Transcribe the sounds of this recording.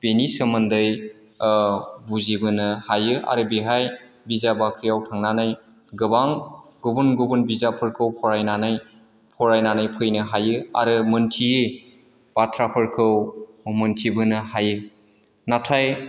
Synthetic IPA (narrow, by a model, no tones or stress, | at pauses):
b̥enisəmɯndɯj | buzibɯnɯhajɯʔa̰ɾɯbiɦaj | bizabakʰɾijawtʰaŋnanaj | ɡɯbaŋɡubunɡubunbizapʰɯɾkʰɯwpʰɔɾajnanaj | pʰɔɾajnanajpʰɯjnɯɦajɯa̰ɾɯmɯntʰie | b̥atʰɾapʰɯɾkʰɯw | mɯntʰibɯnɯhajɯ | natʰaj